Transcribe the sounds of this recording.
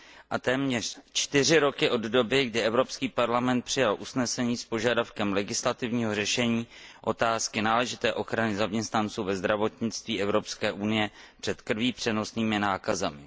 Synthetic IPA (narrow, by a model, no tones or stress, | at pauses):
ʔat̪ɛːmɲɛr̝̥t͡ʃt̪ɪr̝ɪɾo̞kɪʔo̞ddo̞bɪɡdɪʔɛvɾo̞pskiːpaɾlamɛnt̪̚pr̝̥ɪjalʔusnɛsɛɲiːspo̞ʒadafkɛmlɛɡɪslat̪ɪvɲiːɦo̞rɛʃɛɲiːʔo̞t̪aːskɪnaːlɛʒɪt̪ɛːʔo̞xɾanɪzamɲɛst̪nant͡suːvɛzd̪ɾavo̞t̪ɲɪt͡st̪viːʔɛvɾo̞pskɛːʔunɪjɛpr̥ɛt̪kr̩viːpr̥ɛno̞sniːmɪnaːkazɛmɪ